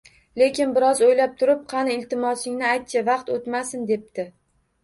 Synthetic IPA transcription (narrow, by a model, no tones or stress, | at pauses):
le̞kʲɪnbɪɾɒzojlap̚t̪ʰʊɾɪp̚qʰɑnɪɪlt̪ʰɪmɒsɪŋnɪajt̪̚t͡ʃʰavɑqt̪ot̪masɪnd̪e̞p̚t̪ɪ